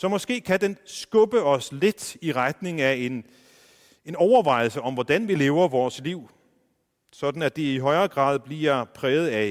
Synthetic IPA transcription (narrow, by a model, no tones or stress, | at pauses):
sɒ̽mɒ̽sɡ̥e̝̰ːkʰæd̥ensɡ̥ɔ̽b̥əɒ̽sle̝d̥iʁad̥ne̝ŋæe̝n | e̝nɒʊɐʋɑ̈ɪ̰l̩səɒ̽mʋɒd̥ænʋile̝ːʊɐʋɒːsliʊ̰ | sɒ̽d̥n̩æd̥eiɦɒ̽ɪɐːɡ̥ʁɑ̰̈ːðˠb̥liɐpʰʁɛːʊð̩ˠæ